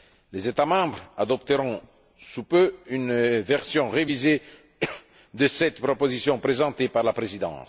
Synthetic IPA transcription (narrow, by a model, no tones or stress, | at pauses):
lezet̪amɑ̃bʁad̪ɔpt̪əʁɔ̃ | supøynvɛʁsjɔ̃ʁevize | d̪əsɛt̪pχɔpozisjɔ̃pχezɑ̃t̪epaʁlapχezid̪ɑ̰̃s